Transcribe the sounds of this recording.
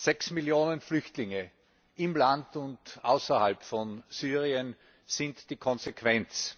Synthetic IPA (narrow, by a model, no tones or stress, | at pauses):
z̥ɛksmiljoːnənflʏçtlɪŋə | ʔɪmlantʊntʔa̰ʊsɐhalpfɔnsyːʁiən | sɪntd̥iːkʰɔ̃nzekʰv̥ɛnt͡s